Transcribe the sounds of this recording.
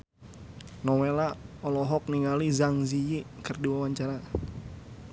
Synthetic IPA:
nɔwelaɔlɔɦɔk̚niŋalizaŋzijikərdiwawaɲt͡ʃaɾa

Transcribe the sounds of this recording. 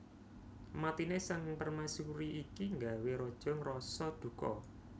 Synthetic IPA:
mat̪inesaŋpərmasuɾiʔikiŋɡaweɾɔd̥ʒ̥ɔ̤ŋrɔsɔd̪̥ṳkɔ̰

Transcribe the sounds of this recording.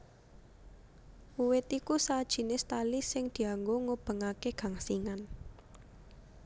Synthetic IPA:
uwɪt̪ikusad̥ʒ̥i̤nest̪alisɪŋd̪̥i̤aŋɡoŋob̥ə̤ŋakeɡ̥ä̤ŋsiŋan

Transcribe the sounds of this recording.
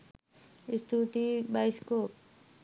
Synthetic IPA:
st̪ʰut̪ibajsko

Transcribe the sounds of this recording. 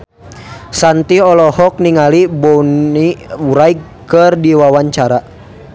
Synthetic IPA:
sant̪iɔlɔhɔk̚niŋalibɔniuɾajk | kərdiwawaɲt͡ʃaɾa

